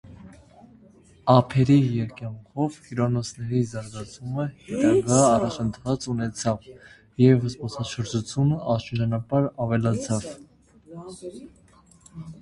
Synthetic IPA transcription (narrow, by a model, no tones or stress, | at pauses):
ɑpʰɛɾijɛɾkjɑŋkʰɔvhiɾɑnɔt͡sʰnɛɾizɑɾɡɑt͡sʰuməhɛt̪ɑɡɑːrɑt͡ʃʰənt̪ʰvɑt͡sunɛt͡sʰɑv | jɛvəspɔsɑʃəɾd͡ʒut͡sʰjunəʔɑʃəɾd͡ʒɑnɑpɑɾɑvɛlɑt͡sʰɑv